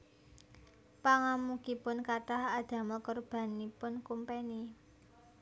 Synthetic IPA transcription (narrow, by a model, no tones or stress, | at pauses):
paŋamukipʊnkatahad̪̥a̤məkɔrb̥ä̤nipʊnkumpeni